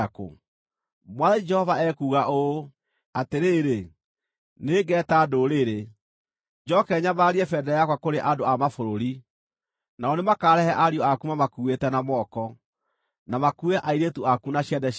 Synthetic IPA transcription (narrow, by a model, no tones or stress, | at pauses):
ko̰ | mwaðɛd͡ʒɛhɔvaɛkuːɣaʔo | ateɾeːɾe | neːɡɛːtaːdoɾeɾe | d͡ʒɔkɛɲabaɾiɛfɛdɛjakwakoɾeʔadoamafoɾoɾi | naɔnemakaːɾɛhɛʔaɾiɔakumamakuwetɛnamɔːkɔ | namakuɛʔaiɾetuakunaɕjɛdɛ